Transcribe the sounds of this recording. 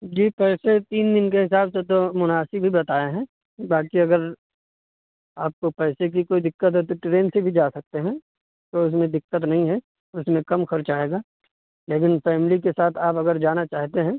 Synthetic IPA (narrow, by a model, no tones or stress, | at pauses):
d͡ʒiːpɛːset̪iːnd̪ɪnkeɦɪsaːbset̪̬omʊnaːsɪbbʱibɐt̪aːeɦɛ̃ | baːkiɐɡəɾ | aːp̚kopɛːsek̬ikoːid̪ɪkːət̪ɦɛt̪̬oʈɾeːnsebʱid͡ʒaːsɐk̚t̪eɦɛ̃ | t̪oʊs̬mẽd̪ɪkːət̪̬nɐɦĩɦɛ | ʊsmẽkɐmxɐɾt͡ʃaːɦeːɡaː | leːk̬ɪnfɛːmɪlikesaːt̪ʰaːpɐɡəɾd͡ʒaːnat͡ʃaːɦt̪eɦɛ̃ː